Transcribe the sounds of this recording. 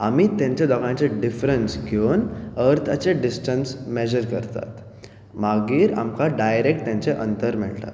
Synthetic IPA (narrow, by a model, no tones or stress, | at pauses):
amiːt̪ãɲt͡ɕed̪ɔɡãɲt͡ɕeɖifɾənsɡʱenəɾt̪ʰat͡seɖisʈənsmɛd͡ʑəɾkəɾt̪a̰t̪ | maɡiːɾa̰mkaɖajɾek̚ʈ̚t̪jãɲt͡seʔənt̪əɾmɛ̰ɭt̪a̰t̪